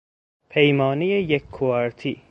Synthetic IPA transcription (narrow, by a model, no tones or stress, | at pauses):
pʰejmɒːnijejekʰːuæɾt̪ʰiː